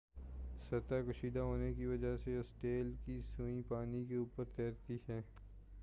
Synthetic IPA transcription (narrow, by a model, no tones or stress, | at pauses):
sɐɾt̪akɐʃiːd̪aɦoːnekiʋɐd͡ʒaseʊsʈeːlkisuĩpaːnikeuːpəɾt̪ɛːɾt̪iɦɛː